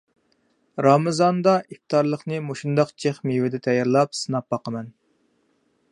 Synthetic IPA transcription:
ɾɑmɨzɑnd̪ɑʔift̪ɑɾlˠəχnɨmoʃund̪ɑqt͡ʃʰeχmiwɪd̪ɛt̪ʰɛjɑɾlˠɑp̚sɨnɑp̚bɑqəmɛn

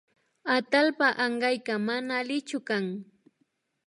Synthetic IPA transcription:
at̪alpaʔɑɴɢɑjkamanaːlɪt͡ʃʊkaŋ

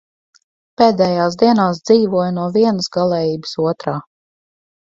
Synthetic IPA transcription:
peːd̪ɛːjaːs̬d̪iɛnaːs̬d̪ziːvuɔjnuɔviɛnəsɡalˠɛːjiːbəsuɔt̪ɾaː

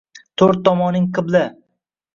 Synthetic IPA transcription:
t̪ʰoɾt̪ːɒmɒnɪŋqʰɨblɪ

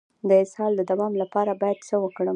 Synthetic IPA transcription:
d̪əɪshɑld̪əd̪awɑmlapɑɾabɑjad̪səwəkɽə

